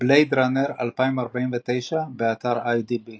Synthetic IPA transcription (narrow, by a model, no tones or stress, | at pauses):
blejd̪ɾaneʁa̰lpaimaʁbainvet̪ejʃabeat̪aʁajdibi